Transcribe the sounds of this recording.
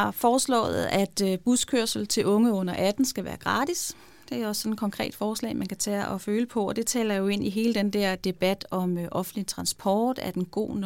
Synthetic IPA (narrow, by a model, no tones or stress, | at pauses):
ɑ̈fɒːslɔ̰̽ːð̩ˠæd̥b̥uskʰøɐ̰sl̩t͡sʰe̝lʔɔ̽ŋəɔ̽n̰ɐʔæd̥n̩sɡ̥æʋæːɐɡ̥ʁɑ̈ːd̥is | d̥e̝æɒ̽ssɒ̽ne̝̥kʰɒ̽ŋkʰʁɛ̰ːd̥fɒːslɛ̰ːmænkʰæt͡sʰɛɒføːləpʰɒ̽ɒ̽d̥e̝t͡sʰɛːlɐjo̝e̝n̰iɦe̝ːləd̥end̥ɛɐ̰d̥e̝b̥æd̥ɒ̽mʔɒ̽fn̩dlit͡sʰʁɑ̈nsb̥ʰɒ̰ːd̥æɐd̥enɡ̥o̝̰ːn